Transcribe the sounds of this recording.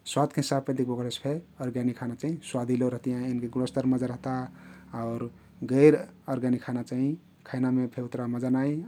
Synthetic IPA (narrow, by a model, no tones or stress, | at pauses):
swat̪keɦisab̚ked̪ik̚ʰbʱoɡəlespʰeəɾɡanikʰanat͡ʃaːɦĩswad̪ʱileɾəɦt̪ijãinkeɡuɽəst̪əɾməd͡ʒaɾəɦt̪aaʊɾ | ɡəɪɾəɾɡanikʰanat͡ʃaɦĩ | kʰajnamepʰeut̪ɾaməd͡ʒanai